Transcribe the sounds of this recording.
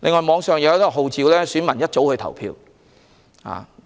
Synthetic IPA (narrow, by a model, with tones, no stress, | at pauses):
lḛ˨˧ŋːɔː˨jmɔː˨˧ŋsœː˨ŋjɐ˨˧wɐ˥t̪ɔ˥k̚ɦo˨wt͡siː˨˧wlɛː˥syː˨˥nmɐ˨˩njɐ˥t̚t͡so˨˥whɵ˧jt̪ʰɐ̰˨˩wpʰḭː˧w | ha̰ː˨